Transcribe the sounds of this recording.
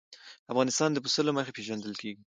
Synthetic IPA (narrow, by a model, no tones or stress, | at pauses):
afɣɑnɪst̪ɑnd̪əpəst̪əloməxepeʒand̪əlkeɡi